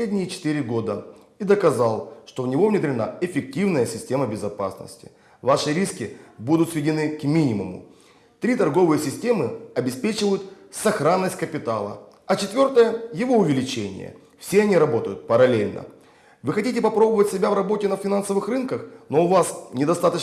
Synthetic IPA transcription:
edʲnʲɪjɪt͡ɕɪ̥t̪ɨɾʲɪɡo̞d̪ə | id̪əkɐzalˠʂt̪o̞vnʲɪvo̞vnʲɪd̪ɾʲɪna̰ɪfʲɪk̚tʲivnəjəsʲɪsʲtʲe̞məbʲɪzɐpa̰snə̰sʲtʲɪ̥̰ | vaʂɨɾʲiskʲɪbud̪ʊt̪svʲɪdʲɪnɨkmʲinʲɪmʊmʊ̰ | t̪ɾʲit̪ɐrɡo̞vɨjəsʲɪsʲtʲe̞mɨɐbʲɪspʲet͡ɕɪvəjʊt̪ | sɐxɾanːəsʲt̚ʲkəpʲɪt̪alˠə̰ɐt͡ɕɪt̪vʲo̞rt̪əjəjɪvo̞ʊvʲɪlʲɪt͡ɕenʲɪ̰jə̰ | fsʲeɐnʲiɾɐbo̞t̪əjʊt̪̚pəɾɐlʲelʲnə̰ | vɨxɐtʲit̬ʲɪpɐpɾo̞bəvətʲsʲɪbʲavrɐbo̞tʲɪnəfʲɪnansəvɨxrɨnkəxno̞ʊvasnʲɪd̪ɐst̪at̪ə

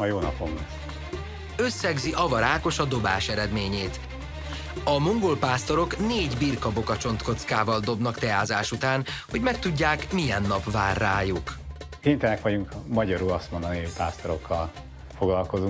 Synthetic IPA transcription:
ɒjoːnɒpo̞mlɛs | ø̞sːɛɡziʔɒvɒɾaːko̞ʃɒd̪o̞baːʃɛɾɛd̪meːɲeːt̪ | ɒmoŋɡolpaːst̪o̞ɾo̞kneːɟbirkɒbo̞kɒt͡ʃo̞nt̪ko̞t̪skaːvɒld̪o̞bnɒkt̪ɛaːzaːʃut̪aːnho̞ɟmɛk̚t̪uɟːaːkmijɛnːɒpvaːrːaːjuk | kent̪ɛnɛkʋɒɟuŋkmɒɟɒɾulɒst̪mo̞nd̪ɒniɦocpaːst̪oɾo̞kːɒl | foɡlɒlko̞zu

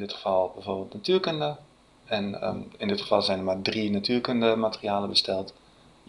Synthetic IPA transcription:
dɪtəfɔlˠbɛjforbeːlˠtnatyərkøndə | ɛn̰ɪndɪtχə̥fɑlˠzɛjndəmadrinatyːrkøndəmatərijaːləbəstɛlˠt

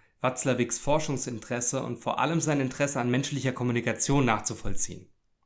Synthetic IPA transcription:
v̥at͡slɐvɪksfɔɐʃʊŋsɪntəʁ̥ɛsəʊ̰ntfoːɐʔa̰ləmzaɪnɪntəʁ̥ɛsəanmɛnʃlɪçɐkʰɔmunikat͡sjoːnːaːχt͡sufɔlt͡sḭːən

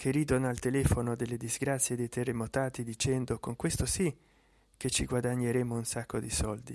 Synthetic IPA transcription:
kʰerid̪onoalt̪elɛfonod̪elːed̪izɡɾat̪sːjed̪ejt̪erːemot̪aːt̪id̪it͡ʃɛnd̪okoŋkwest̪osi | k̟et͡ʃːiɡwad̪aɲːeɾɛmounsakːod̪isɔld̪i

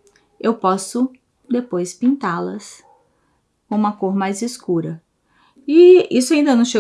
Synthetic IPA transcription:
ewpɔsʊ | d̪epojspĩnt̪alɐs | kõũmɐkoɾmajziskuɾɐ | iisʊaĩnd̪ɐnɐ̃w̃ʃe

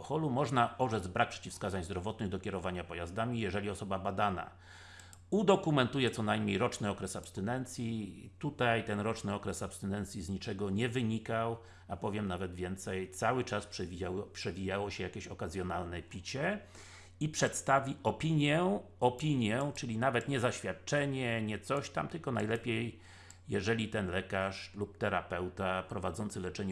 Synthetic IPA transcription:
ɔxɔlumɔʐnaɔʐɛd̪zbɾak̚pʂɛ̥t͡ɕifskazaɲzd̪ɾɔvɔt̪nɘɣd̪ɔkʲɛɾɔvaɲapɔjazd̪amʲijɛʐɛlʲiɔsɔbabad̪ana̰ | ud̪ɔkumɛnt̪ujɛt̪sɔnajmɲejɾɔt͡ʂnɘɔkɾɛsapst̪ɘnɛnt̪sʲjit̪ut̪ajt̪ɛnɾɔt͡ʂnɘɔkɾɛsapst̪ɘnɛnt̪sʲjizɲit͡ʂɛɡɔɲɛvɘɲikaw | apɔvʲjɛmnavɛd̪vʲjɛnt̪sɛjt̪sawɘt͡ʂaspʂɛvʲipʂɛvʲijawɔɕɛjakʲeɕɔkazʲjɔnalnɛpʲit͡ɕɛ | ipʂɛt̪st̪avʲiʔɔpʲiɲjɛɔpʲiɲjɛt͡ʂɘlʲinavɛt̪ɲɛzaɕfʲjat̪̚t͡ʂɛɲɛɲɛt̪sɔɕt̪a̰mt̪ɘlkɔnajlɛpʲjej | jɛʐɛlʲit̪ɛnlɛkaʂlup̚t̪ɛɾapɛwt̪apɾɔvad̪zɔnt̪sɘlɛt͡ʂɛɲ

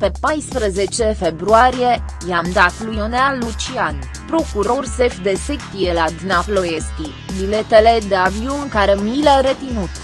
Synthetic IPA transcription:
pe̞pajspɾəze̞t͡ʃefe̞bɾuaɾije̞jamd̪at̪lujonalːut͡ʃian | pɾo̞kuɾo̞rsefd̪e̞sekt̪ijelad̪inaplo̞jeskʲi | bilet̪ele̞d̪e̞aviunkaɾemiləɾe̞t̪inut̪

